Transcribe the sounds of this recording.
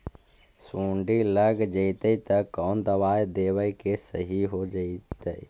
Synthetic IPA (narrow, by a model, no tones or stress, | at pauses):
sũːɳɖiləɡd͡ʒəɪt̪əit̪əkɔːnd̪əʋaːjd̪eːʋəjkesə̰ɦiɦod͡ʒəit̪əi